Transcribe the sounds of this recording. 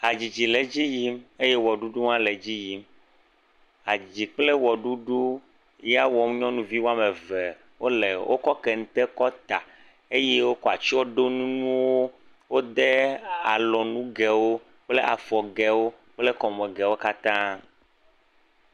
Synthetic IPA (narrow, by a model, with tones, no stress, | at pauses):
a˨d͡ʑi˨d͡ʑi˨le˨d͡ʑi˦ji˦me˦je˦wɔ˨ɖu˦ɖu˦ŋ˦ã˦le˨d͡ʑi˦ji˦m | a˨d͡ʑi˨k͡ple˦wɔ˨ɖu˦ɖu˦ | ja˦wɔ˨m˦ɲɔ̃˦nũ˦vi˦wo˦a˦me˨ve˨ | wo˦le˨wʔo̰˦kɔ˦kɛ˨ŋ̩˨t̪ɛ˦kɔ˦t̪a˨ | e˦je˦wo˦kɔ˦˨a˨t͡ʃɔ˦ɖo˦nũ˦nũ˦wo˦ | wo˦d̪e˦a˨lɔ˨nũ˦ɡɛ˨wo˦ | k͡ple˦ʔa˨fɔ˨ɡɛ˨wo˦ | k͡ple˦kɔ˨mɛ˨ɡɛ˨wo˦ka˦t̪ã˦